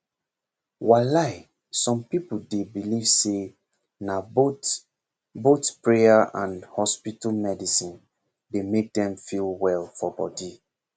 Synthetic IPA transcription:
walaɪ | sɔ̃mpipuldebilivse | nabot | botpɹejaʔãnhɔspitalmɛdisĩn | demek̚dɛ̃mfilwɛlfɔbɔdi

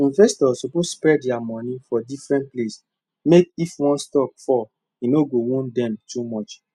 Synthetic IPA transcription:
ĩnvɛstɔsoposspɹɛdamɔ̃nĩfɔdifɹɛ̃nt̚ples | mekifwɔ̃nstɔkfɔ | inoɡowũndɛ̃mtumɔt͡ʃ

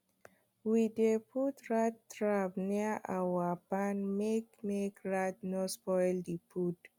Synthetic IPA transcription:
widepʰutɹattɹabniaʔawapãnmekmekɹat̚nospɔɪldipʰut

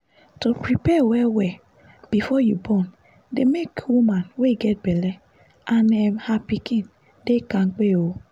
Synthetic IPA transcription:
topɾipɛwɛwɛ | b̥ifɔjubɔn | demekwumãnweɡɛt̚bɛlɛ | ʔãnɛ̃mhapikĩn | dekãŋ̩k͡pewo

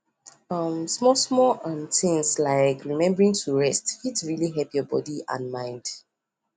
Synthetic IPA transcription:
ʌmsmɔsmɔlãnθɪ̃ŋslaɪkʰɹimɛ̃mbəɹĩŋtʰuɹɛstfitsɹiliɦɛpjɔbɔ̰diã̰nmãɪ̃nd̥

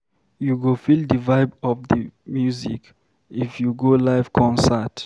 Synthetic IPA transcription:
juɡofildəvaɪbɔvðəmjuzḭk | ifjuɡolaɪvkʰɔ̃nsət

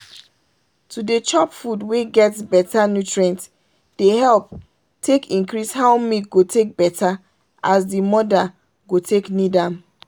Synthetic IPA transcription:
tudet͡ʃɔpfudweɡɛtsbɛtanjutɹiɛ̃nt | d̥ehɛlp | tʰekĩnkɹishaʊmit̚ɡotʰek̚bɛtʰa | ʔasdimɔda | ɡotʰeknidãm

